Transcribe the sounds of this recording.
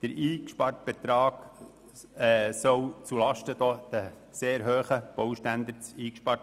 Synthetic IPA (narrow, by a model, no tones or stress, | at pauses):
d̪̥əɾiːkʃpɑrt̚b̥et̪ɾɑːɡ̥ | ɛsɔwt͡sulɑʃtəd̥̪od̥̪ə | seːɾɦøːχəb̥ɔwʃtænd̪ət͡siːkʃpɑrt